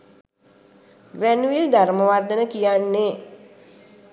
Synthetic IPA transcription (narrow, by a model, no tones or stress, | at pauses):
ʋænuild̪aɾməʋard̪ənəkijanːe